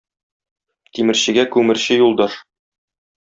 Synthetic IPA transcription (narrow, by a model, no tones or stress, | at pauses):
t̪imɘ̆ɾɕɘ̆ɡækʉmɘ̆ɾɕɘjulˠd̪ɑʃ